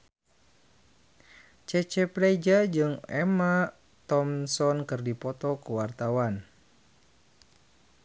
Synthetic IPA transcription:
t͡ʃɛt͡ʃɛpɾaid͡ʒad͡ʒɨŋɛ̰ma | t̪ɔmsɔnkɨrdipɔt̪ɔkəwart̪awan

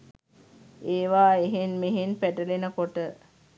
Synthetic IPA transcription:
eːʋaːeɦenmeɦenpæʈəlenəkoʈə

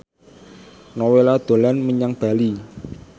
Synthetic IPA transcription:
nɔwelad̪̥o̤lanməɲaŋb̥a̤li

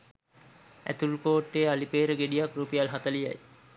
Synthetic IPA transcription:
æ̰t̪ulkoːʈːealipeːɾəɡeɖijakrupijalɦat̪əlija̰j

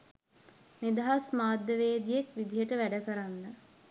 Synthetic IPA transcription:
med̪aɦasmaːd̪jəʋeːd̪ijekʋid̪ijəʈəʋæɖəkəɾanːə

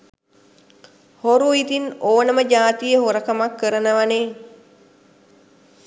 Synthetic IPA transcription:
hoɾuit̪inoːnəməd͡ʒaːt̪ijəɦoɾəkəmakːəɾənəʋane

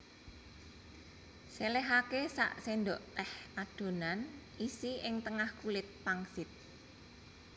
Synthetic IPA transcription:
selɛɦakesa̰ʔsend̪oʔt̪ɛhʔad̪̥o̤nan | isiʔɪŋt̪əŋahkulɪt̪̚paŋsɪt̪̚

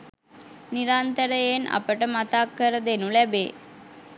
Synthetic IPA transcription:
niɾaːnt̪əɾəjenʔɐ̰pəʈəmat̪aːkːəɾəd̪enũlɛbḛː

